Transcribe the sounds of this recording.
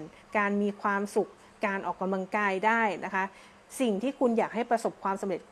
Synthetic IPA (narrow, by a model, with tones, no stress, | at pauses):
n | kaː˧nmiː˧kʰwaː˧msu˨˩k̚ːaː˧nʔɔː˨˩k̚ːa˧mla˧ŋkaː˧jdaː˥˩jna˦˥kʰa˦˥ | si˨˩ŋt̪ʰiː˥˩kʰu˧njaː˨˩k̚ɦa˥˩jpɾa˧so˨˩p̚kʰwaː˧msa˧mɾe˨˩t̪̚